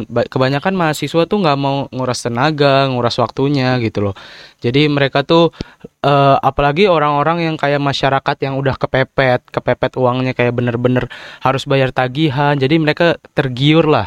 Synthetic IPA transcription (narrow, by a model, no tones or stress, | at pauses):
bakəbaɲakanmaɦasisuat̪uŋɡaʔmauŋuɾast̪ənaɡaŋuɾaswak̚t̪uɲaɡit̪ulɔd͡ʒadiməɾekat̪u | ʔəːapalaɡioɾaŋoɾaŋjaŋkajaʔmaʃaɾakat̪jaŋudahkəpepɛt̪̚kəpepɛt̪uaŋɲakajaʔbənərbənərhaɾʊsbajart̪aɡiɦand͡ʒadiməɾekat̪ərɡiʊrlah